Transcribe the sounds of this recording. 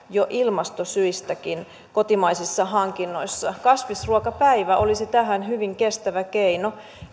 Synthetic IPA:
joʔilmɑst̪osyist̪ækin | kot̪imɑisisːɑɦɑŋkinːoisːɑkɑsʋisruokɑpæiʋæʔolisit̪æɦænhyʋiŋkest̪æʋækeino

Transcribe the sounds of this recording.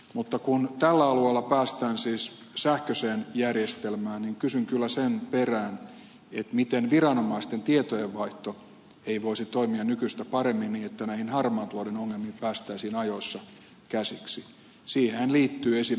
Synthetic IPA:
mut̪ːɑkunt̪ælːæɑlueˑlːɑpæːst̪æːnsiːs | sæhkøseːnjærjest̪elmæːnniŋkysyŋkylːæsenperæːn | et̪mit̪enʋirɑnomɑist̪ent̪iet̪ojeʋʋɑiht̪o | eiʋoisit̪oimiɑnykyst̪æpɑremːinniːet̪ːænæihinhɑrmɑːt̪loidenoŋːelmiːpæːst̪æisiːnɑjoisːɑ | kæsiksi | siːheænliːt̪ːyːesi

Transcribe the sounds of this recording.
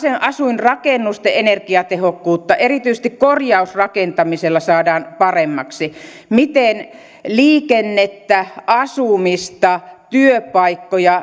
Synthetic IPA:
senʔɑsuinrɑkenːust̪eʔenerkiɑt̪ehokːuːt̪ːɑʔerit̪yise̥st̪ikkorjɑusrɑkent̪ɑmiselːɑsɑːdɑːnpɑremːɑksi | mit̪en | liːkenːet̪ːæʔɑsumist̪ɑt̪yøpɑikːojɑ

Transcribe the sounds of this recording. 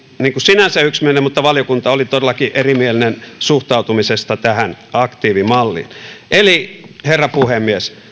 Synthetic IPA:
niːŋkusinænsæyksmienemmut̪ːɑʋɑljokunt̪ɑolit̪odelːˑɑkiʔerimielinensuht̪ɑut̪umisest̪ɑt̪æhænɑkt̪iːʋimɑlːḭnʔeliherːɑpuhemːies

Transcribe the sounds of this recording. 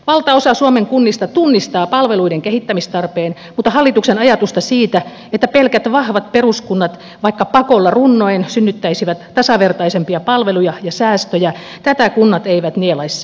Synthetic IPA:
ʋɑlt̪ɑosɑsuomeŋkunːist̪ɑt̪unːist̪ɑːpɑlʋeluideŋkehit̪ːæmist̪ɑrpeːn | mut̪ːˑɑhɑlːit̪uksenɑjɑt̪ust̪ɑsiːt̪æ | et̪ːæpelkæt̪ʋɑhʋɑt̪̚peruskunːɑt̪ | ʋɑikːɑpɑkolːɑrunːoinsynːyt̪ːæisiʋæt̪ːɑsɑʋert̪ɑisempiɑpɑlʋelujɑjɑsæːst̪øjæ | t̪æt̪ækunːɑt̪eiʋæt̪nielɑisːɑ̥

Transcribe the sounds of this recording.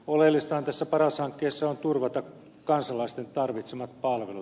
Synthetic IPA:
olelːist̪ɑhɑnt̪æsːæpɑrɑshɑŋkːeːsːɑont̪urʋɑt̪ɑ | kɑnsɑlɑist̪ent̪ɑrʋit̪semɑt̪pɑlʋelut̪

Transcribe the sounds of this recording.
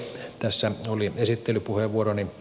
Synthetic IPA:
t̪æsːæoliesit̪ːelypuheʋʋuoroni

